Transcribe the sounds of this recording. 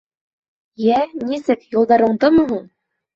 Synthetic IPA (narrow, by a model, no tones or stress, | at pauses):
jænisɘkjŭlˠd̪ɑɾɤ̆ɴd̪ɤmɤ̆ɦuɴ